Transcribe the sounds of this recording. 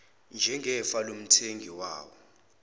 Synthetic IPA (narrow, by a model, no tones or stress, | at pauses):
nd͡ʒʱɛŋɛfalom̩tʰeŋɡʱiwa̰ːwɔ̰